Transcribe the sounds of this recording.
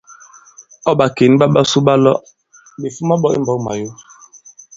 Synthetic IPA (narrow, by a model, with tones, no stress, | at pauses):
ɔ˦ɓa˨ke˨˦n˦ɓa˦ɓa˦su˦ɓa˦lɔ˦ʔ | ɓe˨fu˦ma˦ɓɔ˦ḭ˦m˨bɔ˨˦ma̰˨jo˦